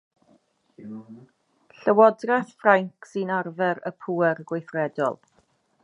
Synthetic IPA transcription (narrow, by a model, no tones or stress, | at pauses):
ɬəwɔdrɛθfraŋkʰsinarvɛɾəpʰuːɛɾɡwejθrɛdɔ̰lˠ